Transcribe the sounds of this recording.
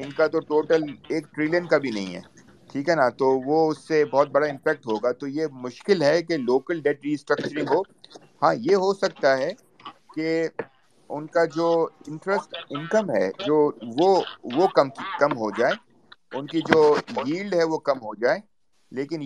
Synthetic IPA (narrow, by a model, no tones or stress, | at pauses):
ɪnkat̪oʈoːʈəleːk̚ʈɾiːlənkabʱinɐɦḭ̃ɦɛ̰ː | ʈʰiːkɦɛnat̪oʋoʊsːebɔːt̪̚bɐɽaɪ̃mpɛːk̚ʈɦoːɡat̪ojemʊʃkɪlɦɛkeloːkəlɖɛːʈɾiːsʈɾɐk̚t͡ʃəɾɪ̃ŋɡɦoː | hãːjeɦosɐk̚t̪aɦɛ | ke | ʊnkad͡ʒoːɪ̃ɳʈɾəsʈɪ̃nkəmɦɛ̰d͡ʒoːʋoʋokɐmkɐmɦod͡ʒaːeː | ʊnkid͡ʒoːjiːlɖɦɛʋokɐmɦod͡ʒaːeː | leːkɪn